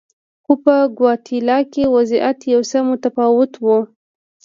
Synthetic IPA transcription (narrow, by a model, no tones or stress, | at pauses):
xupəɡwɑt̪ʰilɑkewaziʔat̪jawsamot̪afɑwʊt̪wu